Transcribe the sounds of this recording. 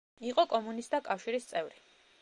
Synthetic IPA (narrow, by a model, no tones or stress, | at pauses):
iqʼɔkʼɔmunist̪akʼafʃiɾist̪sʼɛvɾi